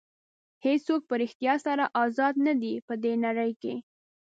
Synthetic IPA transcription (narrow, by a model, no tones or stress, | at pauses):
hesok̚pəɾɪxt̪jɑsaɾaʔɑzɑd̪nad̪ipəd̪enaɾəjke